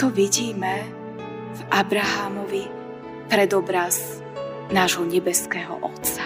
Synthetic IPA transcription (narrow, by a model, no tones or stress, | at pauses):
t̪ɔʋiɟiːmɛ | vʔabɾaɦamɔʋi | pɾɛd̪ɔbɾaz | naːʒɦɔɲɛbɛskɛːɦɔ̰ʔɔ̰t̪t͡sḁ